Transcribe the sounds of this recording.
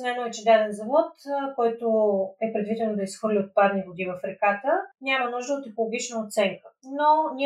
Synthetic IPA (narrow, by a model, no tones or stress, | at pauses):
snɛnoɛt͡ʃɛd̪aɾɛnzɐmot̪kɔjt̪oɛpɾɛd̪vid̪ɛnod̪ɐisxvɤɾlʲiot̪̚pad̪niɡod̪ivɐfɾɛkat̪ənʲamənuʒd̪əot̪ɛkolˠoɡʲit͡ʃnəot̪sɛŋkə̥nonʲi